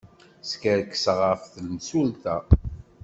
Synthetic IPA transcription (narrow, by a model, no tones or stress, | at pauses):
skəɾkːsʁəfθəlmsult̪æ